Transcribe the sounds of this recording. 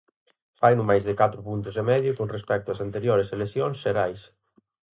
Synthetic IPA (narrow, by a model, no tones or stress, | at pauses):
fajnʊmajzðekat̪ɾʊpunt̪ʊsemɛðjʊkonrespɛk̚t̪ʊɐsant̪eɾjoɾeselesjõnsʃeɾajs